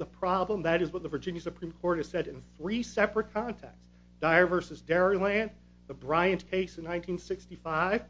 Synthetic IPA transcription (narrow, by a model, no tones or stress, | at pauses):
ðəpʰɹ̥ɑblə̃mðɨɾɨzwʌt̪̚ðəvə˞d͡ʒɪ̃njɨsɨpʰɹ̥ĩmkʰɔɹɾ̚ɨz̥sɛɾɨ̃nθɹisɛpɹɨt̚kʰɑ̃ntʰɛ̰k̚ts | d̥aɪə˞vɜ˞sɨzdɛɹilæ̃n | ðəbɹaɪɨ̃nkʰeɪsɨnːãɪ̃ntʰĩnsɪkstifaɪv̥